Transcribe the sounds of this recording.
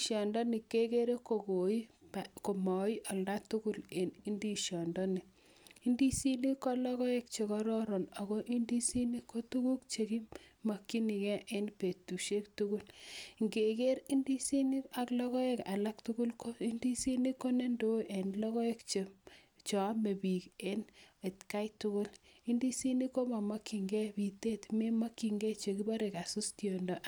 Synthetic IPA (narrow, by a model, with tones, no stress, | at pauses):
ʃjɔ˨ndɔ˦ni˨kːe˦ke˦ɾe˦ko˨ko˨i˦pako˨mɔ˨i˦ʔɔ˨lda˦tu˦ɡu˦le˨ni˦ndi˦ʃjɔ˨ndɔ˦ni˨ | i˦ndi˦si˦ni˦kɔ˦lɔ˦ɣɔ˦e˦k̚t͡ʃe˨kɔ˦ɾɔ˦ɾɔ˨no˨ɣɔ˦ʔi˦ndi˦si˦ni˦ko˦tu˦ku˦k̚t͡ʃe˨ki˦ma˨kːi˦ni˨kɛ˦ʔe˦npe˨tu˨ʃe˦ktu˦ɡu˦lŋɡe˨ke˦ɾi˦ndi˦si˦ni˦a˨klɔ˦ɣɔ˦e˦ka̰˨la˦k̚tu˦ɡu˦lkʰo˦i˦ndi˦si˦ni˦ko˦ne˦ndo˦ʔe˨nlɔ˦ɣɔ˦e˦kt͡ʃe˨ | t͡ʃɔ˨a˦me˨bi˨ke˦ne˨tka˦jtu˦kʊ˦li˦ndi˦si˦ni˦ko˦ma˨ma˦kːi˨ŋɡɛ˦bi˨te˦tme˦ma˦kːi˨ŋɡɛ˦t͡ʃe˨ki˦ba˦ɾe˨ka˨su˦stjo˨ndɔ˨ʔ